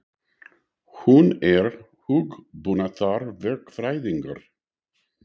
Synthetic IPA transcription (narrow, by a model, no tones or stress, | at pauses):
hunɛɾ | huɡbunat̪ʰaɾvɛɹkfɾajðɪŋɡə̰ɾ